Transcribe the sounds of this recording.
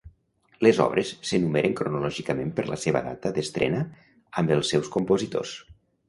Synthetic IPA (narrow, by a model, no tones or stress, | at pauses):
lezɔ̰βɾesːənumeɾʔəŋkɾunulɔʒikəmempəɾlə̰seβə̰ða̰t̪əðəst̪ɾʔɛ̰nə | əmbəlˠsːɛwskumpozit̪o̰s